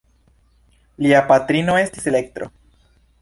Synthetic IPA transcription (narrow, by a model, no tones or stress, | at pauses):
liapat̪ɾino̞e̞st̪i̥sele̞k̚t̪ɾo̞̰